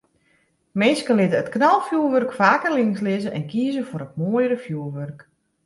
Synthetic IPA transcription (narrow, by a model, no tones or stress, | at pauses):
mɪnskəlɪtəətknalˠfjuəlˠʋørkfaːkərlɪŋslɪzəʔɛnkiəzəfʊɾət̚moəjɾəfjuəlˠʋørk